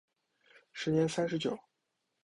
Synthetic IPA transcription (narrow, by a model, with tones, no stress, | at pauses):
ʂɻ̩˧˥njɛ˧˥nsa˥nʂ̬ɻ̩˧˥t͡ɕjo˨˩˦ʊ